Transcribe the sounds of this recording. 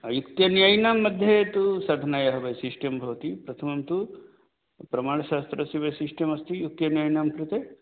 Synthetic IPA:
ɐjukt̪jɐnjaːjnaːmːɐd̪ʱjet̪usɐd̪ʱɐnaːjɐɦɐʋɐjsiʂʈjɐmbʱɐʋɐt̪ipɾɐt̪ʰɐmɐmt̪u | pɾɐmaːɳɐʃaːst̪ɾɐsiʋɐsiʂʈjɐmɐst̪ijuk̚t̪jɐnjaːjnaːmkɾɪt̪e

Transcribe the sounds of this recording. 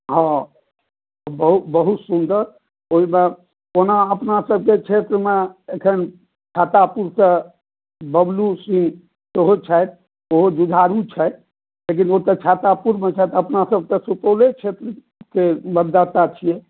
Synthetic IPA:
ɦɔ̃ | bəɦut̪bəɦut̪sund̪əɾ | oɦime | onaəpnasəb̚ʱket͡ʃʰet̪ɾəmeekʰən | t͡ʃʰat̪apuɾsə | bəblusĩŋ | soɦot͡ʃʰajt̪̚ | oɦod͡ʒud̪ʱaɾut͡ʃʰɛjt̪ | lek̬inot̪ət͡ʃʰat̪apuɾmet͡ʃʰajt̪əpnasəb̚ʱt̪əsupolet͡ʃʰet̪ɾə | keməd̪ːat̪at͡ʃʰije

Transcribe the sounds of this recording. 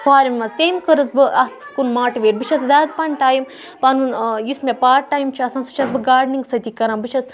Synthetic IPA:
kʰaːɾimʲmɐzt̪ejmkəɾɨsbɨʔɐt̪skunmaːʈʋeːɾbit͡ʃʰɐszʲaːd̪pɐɳʈaːjim | pɐnunjusmʲepaːʈ̚ʈːaːjimt͡ʃʰɐsãnsu̥t͡ʃʰɐsbɨɡaːɖniŋɡsɐt̪ikɐɾaːmbɨt͡ʃʰɐs

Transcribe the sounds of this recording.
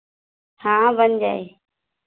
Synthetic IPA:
hãːʋəɲd͡ʒaːeː

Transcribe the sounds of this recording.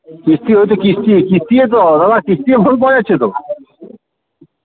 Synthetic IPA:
kist̪iɦojt̪̬ekist̪ikist̪ijet̪̬od̪ad̪akist̪iebʱolpɔjat͡ɕʰet̪o

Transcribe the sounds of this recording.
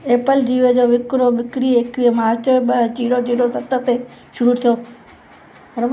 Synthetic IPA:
eːpəld͡ʑiːʋed͡ʑoːʋɪkɾoʋɪkɾiekʋiːmaːɾt͡ɕoɓɐɦt͡ɕiːɽot͡ɕiːɽosɐt̪ət̪e | ʃʊɾut̪ʰijoː | ɾɐʋ

